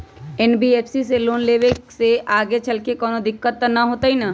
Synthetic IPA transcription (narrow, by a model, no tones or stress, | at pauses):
ɛːnbieːpʰsiseloːnleːʋekseʔaːɡet͡ʃɐlkekɔːnod̪ɪkːət̪ːnɐɦoːt̪aɦina